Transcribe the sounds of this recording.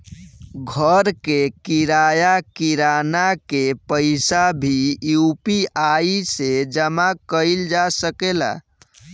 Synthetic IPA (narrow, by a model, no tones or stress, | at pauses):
ɡʱəɾkekiɾajakiɾanakepəɪsabʱiupiʔaised͡ʒəmakəɪld͡ʒasəkela̰